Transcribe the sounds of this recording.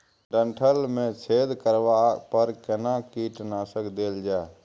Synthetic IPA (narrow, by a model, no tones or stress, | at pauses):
ɖəɳʈʰəlmẽt͡ʃʰeːd̪kəɾʋaːpəɾkənaːkiːʈnaːsəkd̪eːld͡ʒaː